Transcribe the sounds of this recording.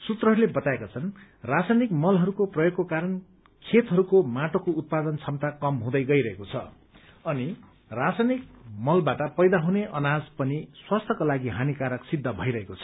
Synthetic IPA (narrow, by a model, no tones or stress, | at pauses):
sut̪rʌɦʌɾulebʌt̪aekat͡sʰʌnrasanikmʌlɦʌɾukoprʌjoɡ̚kokaɾʌn | kʰet̪ɦʌɾukomaʈokout̪̚pad̪ʌnt͡sʰʌmt̪akʌmɦũd̪ʌjɡʌiɾʌɦekot͡sʰʌ | ʌni | rasanikmʌlbaʈʌpʌjd̪aɦuneʔʌnad͡zpʌniswast̪ʰʌkolaɡiɦanikaɾʌksid̪ʱːʌbʱʌijɾʌɦekot͡sʰʌ̥